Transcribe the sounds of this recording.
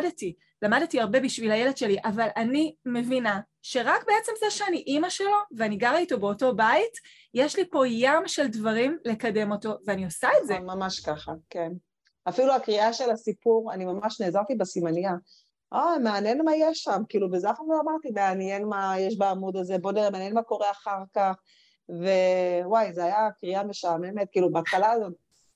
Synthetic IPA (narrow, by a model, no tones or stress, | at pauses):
dti | lamadetiaʁbe̞biʃvilhajeled̥ʃe̞liʔavalʔanime̞vina | ʃe̞ʁakbe̞et͡se̞mzeʃeaniʔimaʃe̞lo̞veaniɡaʁaito̞be̞o̞to̞bait | jeʃlipo̞jamʃe̞ldvaʁimle̞kade̞mo̞to̞veaniosaetzemamaʃkaχaken | afiluakʁiaʃe̞lasipuʁanimamaʃne̞ːzaʁt̪ibesimanija | ʔomeanjenmajeʃːamkiiːlubezafanoamaʁt̪imeanjenmajeʃ̬baːmudazebodiʁemeanjenmako̞ʁe̞aχaʁkaχ | ve̞wajzeajakʁiame̞ʃameme̞t̪̚kiːlubeːt̪χalaːzo̞t̪̚